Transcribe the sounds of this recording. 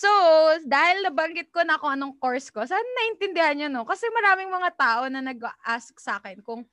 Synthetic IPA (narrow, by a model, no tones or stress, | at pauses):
sod̪aːhɪlnɐbɐŋɡɪt̪̚konɐɐkoʔɐnoŋkoɹsko̞saːnɐnɐʔɪnt̪ɪnd̪ɪhanjonokɐsɛmɐɾaːmɪŋmɐŋat̪aːʔo̞nɐnɐɡ̚ɐʔask̚saːkɛnkʊŋ